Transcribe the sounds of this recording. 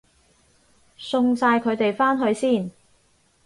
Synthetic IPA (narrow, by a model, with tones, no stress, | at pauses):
sʊ˧ŋsaː˧jkʰɵ˨˧ɥt̪e˨jfaː˥nɦɵ˧ɥsiː˥˩n